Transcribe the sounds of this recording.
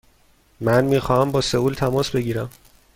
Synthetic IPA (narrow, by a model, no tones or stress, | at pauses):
mænmiːxɒːhæmbɒːse̞uːlt̪ʰæmɒːsbe̞ɟiːɾæm